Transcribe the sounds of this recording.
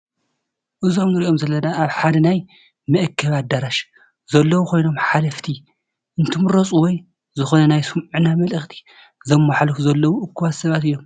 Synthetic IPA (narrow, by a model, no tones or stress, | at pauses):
ʔɨzo̞mnɨɾiʔo̞mzɐlːɐnaʔaβħad̪ɐnaj | mɨʔɨkʰːɐβat̪̚d̪aɾaʃ | zɐlːɐwukʰojno̞mħalɐft̪ʰi | ʔɨnt̪ʰɨmɨɾɐt͡sʼuwɔj | zɨxo̞nɐnajsɨmnamɐlɨxt̪ʰi̥ | zɐmːaħalkuzɐlːɐwuʔɨkːuβat̪sɐβat̪ɨjːom